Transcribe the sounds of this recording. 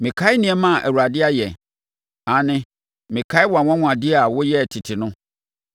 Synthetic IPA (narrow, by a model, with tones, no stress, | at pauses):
mɪ̃˨kʰa˦ɪ˦nĩ˨ɛ˨mã˦˨ʔɛ̰˨wu˨ɾa˨dɪ˦a˦jɛ˨ | ã˨nɪ̃˦ | mɪ̃˨kʰa˦ɪ˦wɔ˨a˨wã˦ŋʷ˦ã˨dɪ˦a˨wʊ˦jɛ˦˨tʰɪ˨tʰɪ˨nʊ̃˦